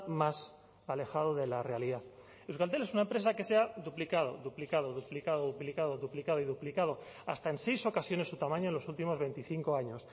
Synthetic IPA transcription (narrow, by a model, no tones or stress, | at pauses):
mas | ale̞xað̞oðe̞lare̞aliðaθ | ewsɣalt̪̬ele̞sunaempɾesake̞se̞aðuplikað̞o̰ðuplikað̞oðuplikaðoðuplikaðoðuplikað̞oiðuplikað̞o̞a̰st̪ae̞nse̞jso̞kasjo̞nesut̪amãɲoenlo̞sult̪imo̞zβ̞e̞nt̪iθiŋko̞aɲo̞s